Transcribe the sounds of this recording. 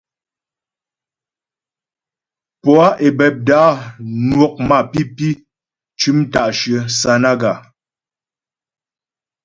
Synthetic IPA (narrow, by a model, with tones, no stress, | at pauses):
pɔ˨a˦ʔe˨bɛ˨p̚daː˨˦nwɔ˦k̚ma˦˨pi˦pi˦ | t͡ʃʉ˦m˦ta˨ʔʃə˨sa˨na˦ɡa˨